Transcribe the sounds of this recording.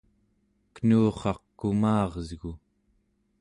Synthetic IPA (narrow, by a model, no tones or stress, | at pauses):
kənuːχɑqkumɑːʁzɣu